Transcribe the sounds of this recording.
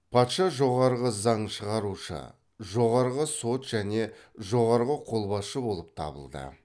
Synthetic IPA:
pʰɑt̪ʃɑʒo̞ʁɑɾʁəzɑɴʃəʁɑɾuʃə̰ | ʒo̞ʁɑɾʁəso̞t̪ʒ̥æne̞ʒo̞ʁɑɾʁəqʰo̞lˠbɑsʃəbo̞lˠəp̚t̪ʰɑ̰bə̰lˠd̪ə̰

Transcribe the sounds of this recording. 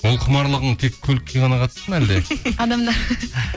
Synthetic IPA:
wolˠqʰəmɑɾlˠəʁəɴt̪ʰe̞kʲʰːɵlkʲʰːeʁɑnɑqʰɑt̪sənæld̪eɑd̪ɑmd̪ɑɾ

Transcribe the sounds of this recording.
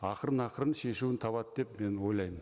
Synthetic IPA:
ɑqəɾənɑqəɾənʃe̞ʃuwɪnt̪ʰɑβɑt̪̚d̪e̞pme̞nwo̞jlˠɑjmən

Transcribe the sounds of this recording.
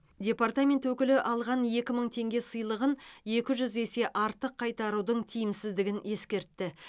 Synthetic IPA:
dʲe̞part̪amʲe̞nt̪wɵkʲɪlɪʔɑlˠʁɑnje̞kʲɪməɴt̪ʰe̞ŋɡʲe̞səjlˠəʁənje̞kʲɪʒʏzese̞ʔɑɾt̪əqʰːɑjt̪ɑɾud̪əɴt̪ʰijɪmsɪzd̪ɪɡʲɪne̞skʲe̞ɾt̪ːɪ

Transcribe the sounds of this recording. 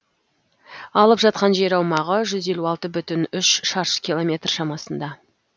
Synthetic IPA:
ɑlˠəpʒɑt̪̚qɑnʒe̞ɾɑwmɑʁəʒʏze̞luɑlˠt̪əbʏt̪ɪnʏʃʃɑɾʃə̥kʲilˠo̞mʲe̞t̪rʃɑmɑsənd̪ɑ

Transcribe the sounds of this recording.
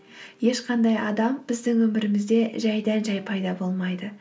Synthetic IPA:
je̞ʃqʰɑnd̪ɑjɑd̪ɑmbɪzd̪ɪŋwɵmɪɾɪmɪzd̪e̞ʒæjd̪ænʒɑjpʰɑjd̪ɑbo̞lˠmɑjd̪ə

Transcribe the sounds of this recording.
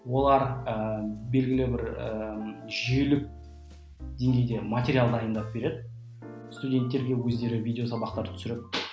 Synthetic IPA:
wo̞lˠɑɾəbe̞lɡʲɪlɪbɪɾəʒielɪk̚ | d̪̥ʲe̞ŋɡʲe̞jd̪e̞matʲeɾʲialˠd̪d̪ɑjənd̪ɑp̚be̞ɾe̞d̪ɪ | st̪udʲe̞nt̪ːe̞ɾɡʲe̞wɵzd̪e̞ɾɪvʲijd̪ʲeosɑbɑqt̪ɑɾt̪ʰʏ̥sɪɾɪp

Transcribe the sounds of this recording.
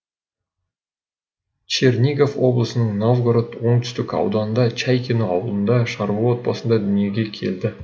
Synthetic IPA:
t͡ʃernʲiɡofwo̞blˠəsənəɴnovɡɾot̪wo̞ɴt̪ʰʏ̥st̪ɪkɑ̰wd̪ɑnənd̪ɑt͡ʃæjkʲenoɑwəlˠənd̪ɑʃɑɾbɑwo̞t̪̚pɑsənd̪ɑd̪ʏnije̞ɡʲe̞kʲʰe̞̰ld̪ɪ

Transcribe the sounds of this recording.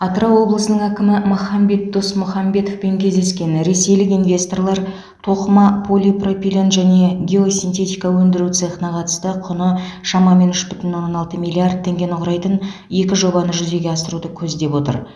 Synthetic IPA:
ɑt̪ɾɑwwo̞blˠəsənəɴækʲɪmɪmʊχɑmbe̞t̪̚d̪o̞smʊχɑmbe̞t̪o̞fpe̞ŋkʲʰe̞zd̪e̞skʲe̞nɾe̞se̞jlɪkinvʲe̞st̪o̞rlˠɑɾ | t̪ʰo̞qəmɑpʰo̞lʲipro̞fʲilʲo̞nʒæne̞ɡʲe̞o̞sʲint̪ʰe̞t̪ʲijkɑwɵnd̪ɪɾuwt̪seχənɑqʰɑt̪ə̥st̪əqʰʊnəʃɑmɑme̞nʏʃbʏt̪ɪnwonːonɑlˠt̪əmʲijlʲiard̪̚t̪ʰːe̞ŋɡʲe̞nɪqʰʊɾɑjt̪əne̞kʲɪʒo̞bɑnəʒʏze̞ɡʲe̞ɑsəɾud̪əkʲʰɵzd̪e̞pwo̞t̪ə̰ɾ

